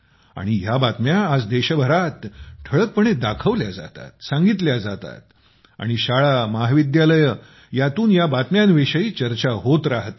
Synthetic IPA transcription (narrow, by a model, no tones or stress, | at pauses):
a̰ɽ̃iɦjabat̪mjaːd͡zd̪eɕəbʱəɾat̪ʈʰəɭək̚pəɳ̃ed̪akʰəʋljad͡za̰t̪a̰t̪̚saŋɡit̪ljad͡zat̪a̰t̪̚ | a̰ɽ̃iɕaɭamaɦʋid̪jaləjə | jat̪uːnjabat̪mjanʋeɕəiːt͡ɕəɾt͡ɕaɦot̪ɾaɦət̪